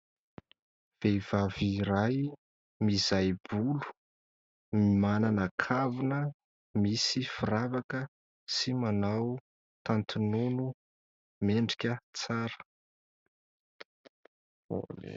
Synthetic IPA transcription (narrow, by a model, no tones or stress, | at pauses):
v̥ejv̥aviɾaj | mizajb̥ulu̥ | mimananakʰavunə | misifiɾavakə | simanaw | t̪ant̪ununu | meɳɖ͡ʐikʲət͡saɾə̥